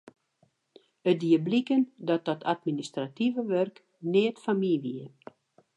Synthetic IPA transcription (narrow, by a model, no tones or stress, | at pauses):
ədiəblikəndɔt̚dɔtʰatministrativəʋørk | nɪətfamiʋiə